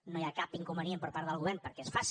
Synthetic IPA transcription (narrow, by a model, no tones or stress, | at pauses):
nojakapiŋkumbəniempəɾpaɾðəlˠɣuβɛrnpəɾkɛesfas